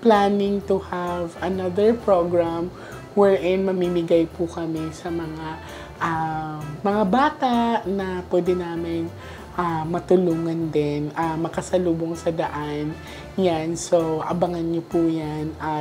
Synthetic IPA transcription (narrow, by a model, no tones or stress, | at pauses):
plaːnɪŋt̪ʊhavɐnɐðɛɹpɹoɡɹam | wɛɹʔɪnmɐmimɪɡajpʊkɐmɛsɐmɐŋa | ʔamɐŋabaːt̪aʔnɐpwɛːd̪ɛnaːmɪn | ʔamɐt̪ʊluːŋɐnd̪ɪnʔɐmɐkɐsɐluːboŋsɐd̪ɐʔan | jansoʔɐ̰bɐŋɐnɲopujanʔɐ